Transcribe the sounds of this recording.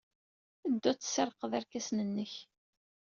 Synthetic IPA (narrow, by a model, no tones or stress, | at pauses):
əd̪ːʊt͡sːsəɾˤqəðæɾkæsnənːəç